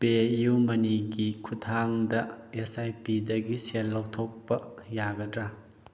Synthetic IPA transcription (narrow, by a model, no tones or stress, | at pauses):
pejumɐniɡikʰutʰaŋdɐesajpidɐɡiselːawtʰok̚pɐjaɡɐdɾa